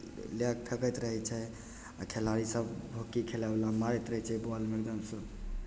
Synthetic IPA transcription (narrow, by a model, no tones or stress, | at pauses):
lek̚pʰekət̪ɾəɦɛt͡ʃʰɛ | a̰kʰelaɾisəbbʱokikʰelablamaɾɛt̪ɾəɦɛt͡ʃʰɛboalmiɾd̪əmsəb